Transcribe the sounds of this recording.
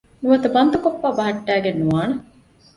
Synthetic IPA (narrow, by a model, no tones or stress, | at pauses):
nuʋɐt̪ɐbɐnd̪ɐkopːaːbɐɦɐʈːæːɡenːuʋaːnɐ